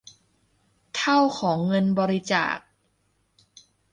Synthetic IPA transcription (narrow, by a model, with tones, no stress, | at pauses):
t̪ʰa˥˩wkʰɔː˩˦ŋːɤ˧nbɔː˧ɾi˧t͡ɕa̰ː˨˩k̚